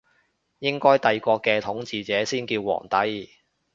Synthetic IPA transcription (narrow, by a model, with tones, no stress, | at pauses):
jɪ˥ŋkɔː˥jt̪ɐ˨jkʷɔː˧kːɛː˧t̪ʰʊ˨˥ŋt͡siː˨˧t͡sɛː˨˥siː˥nkiː˧wːɔ̰ː˨˩ŋt̪ɐ˨˥j